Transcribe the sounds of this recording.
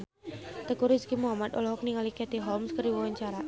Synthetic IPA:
t̪əkuɾiskimuɦamat̪ɔlɔɦɔk̚niŋalikɛt̪iɦɔlmskəɾiwɔwaɲt͡ʃaɾa

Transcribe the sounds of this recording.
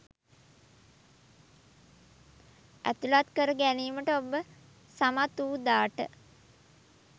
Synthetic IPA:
æ̰t̪ulat̪kəɾəɡæniːməʈəobə | samat̪uːd̪aːʈə̰

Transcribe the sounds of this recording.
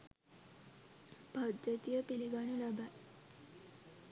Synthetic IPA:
pad̪jət̪ijəpiliɡanulaba

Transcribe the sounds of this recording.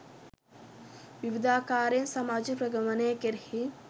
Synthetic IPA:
ʋiʋid̪aːkaːɾensɐmaːd͡ʒəpɾɐɡɐʋɐneːkeɾhi

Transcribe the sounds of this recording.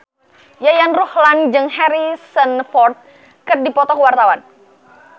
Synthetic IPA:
jajanruhland͡ʒɨŋhɛɾisənfɔrt̪̚ | kɨrdipɔt̪ɔkwart̪awan

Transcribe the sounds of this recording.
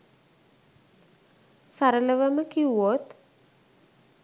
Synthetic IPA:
saɾələʋəməkiwot̪

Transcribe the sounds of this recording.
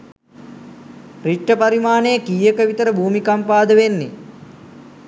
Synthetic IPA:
riʈːəpaɾimaːnejəkiːjəkəʋit̪əɾəbʱuːmikampaːd̪əʋenːḛ

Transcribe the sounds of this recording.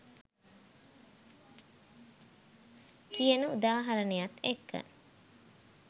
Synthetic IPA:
kijənəud̪aːɦaɾənejat̪ekːə̰

